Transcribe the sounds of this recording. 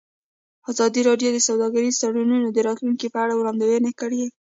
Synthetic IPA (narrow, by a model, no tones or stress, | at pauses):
ɑzɑd̪iɾɑɖjod̪əsawd̪ɑɡaɾizt̪aɽununod̪əɾɑt̪lunkipəaɽawɾɑnd̪awənekəɽe